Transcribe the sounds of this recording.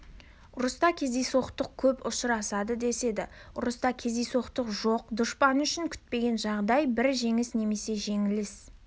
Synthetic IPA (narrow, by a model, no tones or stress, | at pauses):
ʊɾʊst̪ɑkʲʰe̞zejso̞qt̪əq̚kʲʰɵpʊʃəɾɑsɑd̪əd̪e̞se̞d̪ɪ̰ʊɾʊst̪ɑkʲʰe̞zijso̞qt̪əqʒo̞qd̪ʊʃpɑnʏʃɪŋkʲʰʏ̥t̪̚pe̞ɡʲe̞nʒɑʁd̪ɑjbɪɾʒe̞ŋɪsne̞me̞se̞ʒe̞ŋɪlɪs